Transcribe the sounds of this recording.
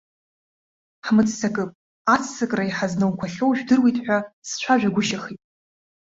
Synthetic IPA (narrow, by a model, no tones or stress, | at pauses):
ħmɨt͡sʼsakʼɨpʼ | at͡sʰsɨkʼraiħaznownkʷʰaɬʲowʒᶣdɨrwitʼħʷᶣast͡ʃʷʰaʒᶣaɡʷʊʃaχitʼ